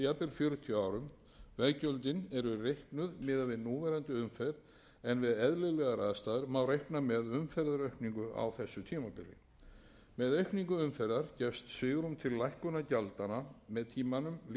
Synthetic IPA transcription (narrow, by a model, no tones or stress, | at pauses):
apɪlfjœːɾʏt̪ʰiaːwɾʏm | vɛðcœlt̪ɪnɛɾʏrehknʏðmɪːðavɪðnuːvɛɾant̪ʏʏmfɛɾ | ɛnvɪðɛðlɪɣlɛɣaɾaːðst̪aːðɪɾmaːwɾejhknamɛðʏmfɛɾðaɾœɥhkniŋkʏʔa̰wθɛsːʏt̪ʰiːmapɪlːɪ̰ | mɛðœɥhkniŋkʏʏmfɛɾðaɾcɛfst̪sɪːɣɾumt̪ʰɪlːajhkʏnacalt̪anamɛðt̪ʰiːmanʏml